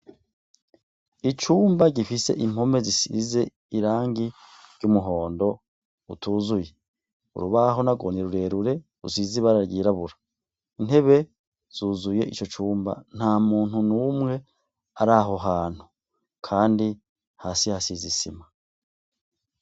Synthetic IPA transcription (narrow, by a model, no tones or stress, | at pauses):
it͡ʃuːmbaɟifise̞̰ʔim̥ho̞me̞zisḭze̞ | iɾaːŋɡi | ɾɟumuɦo̞ːndo̞ | utuːzuje̞ | ṵɾuβaɦo̞naɡo̞̰neɾuɾe̞ːɾuɾe̞ɾṵsiziβaɾaɾɡiːɾaβuɾa | in̥e̞βe̞ | z̥uzuje̞ʔit͡ʃo̞t͡ʃuːmba̰n̥haːmuːnhunumŋe̞ | aɾaɦo̞ɦaːn̥hu | kʰaːndi | haːsihasizisḭma